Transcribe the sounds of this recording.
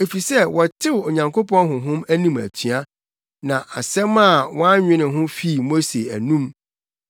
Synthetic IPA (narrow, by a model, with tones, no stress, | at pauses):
e˨fi˨sɛ˦wɔ˨tʰɪ˦wo˨ɲã˨ŋkʰo˦pɔ̃˦nɦʊ̃˨ɦʊ̃˦mæ˦nĩ˦mæ̰˨tʰɥa˦ | nã˨ʔa˨sɛ˦mã˦˨wɔ̃˦a˦ɲᶣɪ̃˦nɪ̃˨ɦʊ̃˦fi˦˨mo˦se˨æ̰˨nũ˦m